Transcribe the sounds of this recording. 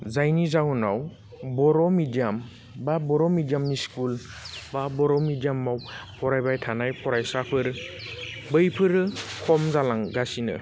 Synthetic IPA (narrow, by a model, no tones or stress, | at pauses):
zajnizawunaw | bɔɾɔmidijam | babɔɾɔmidijamniskulbabɔɾɔmidijamːawpʰɔɾajbajtʰanajpʰɔɾajsapʰɯɾ | bɯjpʰɯɾɯkʰɔmzalaŋɡasinɯ̰